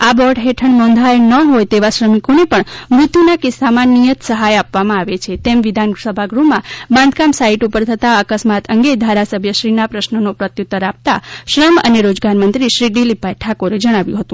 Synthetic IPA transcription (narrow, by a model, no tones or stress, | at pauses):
abɔɖɦeʈʰəɳnɔ̃nd̪ʱajnəɦojt̪eʋaʃɾəmikonepəɳmɾut̪ːinakɪsamãnijət̪səɦajapʋamãaʋet͡ʃʰet̪emʋid̪ʱansəbʱaɡɾumãbãnd̪ʱkamsaiʈupəɾt̪ʰət̪aəkəsmat̪əŋɡed̪ʱaɾasəbʱjəʃɾinapɾəʃnənopɾət̪jut̪ːəɾap̚t̪a̰ʃɾəmə̰neɾod͡ʒɡaɾmənt̪ɾiʃɾiɡɖilipajʈʰakoɾed͡ʒəɽ̃aʋjũɦət̪ũ